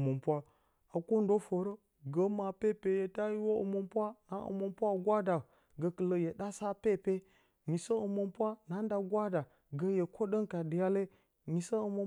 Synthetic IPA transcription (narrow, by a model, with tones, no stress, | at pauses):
mo˨mpʷa˦ | a˨ko˦n˦do˦fə˨ɾə˦ | ɡə˨ma˨pe˦pe˨je˨ta˦ji˦wo˦ə̰˨mo˨mpʷa˦na˨˦ə̰˨mo˨mpʷa˦˨ɡʷa˦da˨ | ɡə˨kə˨lə˨je˨ɗa˦sa˦pe˦˨pe˦ | ɲi˨sə˦ə˨mo˨mpʷa˦na˦n˦da˨ɡʷa˦da˨ | ɡə˨je˨kʰo˦ɗə˦ŋka˨də˨ja˦le˦ | ɲi˨sə˦ə˨mo˨˦